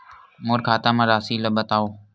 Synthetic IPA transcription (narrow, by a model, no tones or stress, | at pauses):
moːɾkʰaːt̪aːmãːɾaːsiːləɓət̪aːoː